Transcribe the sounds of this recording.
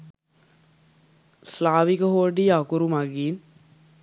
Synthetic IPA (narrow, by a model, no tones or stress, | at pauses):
slaːʋikəɦoːɖijakuɾumaɡiːn